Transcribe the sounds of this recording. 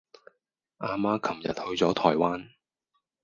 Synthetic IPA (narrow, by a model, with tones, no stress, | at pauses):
ʔaː˧maː˧˥kʰɐ˨˩mjɐ̰˨t̚hɵ˧ɥt͡sɔː˨˥t̪ʰɔː˨˩jwaː˥n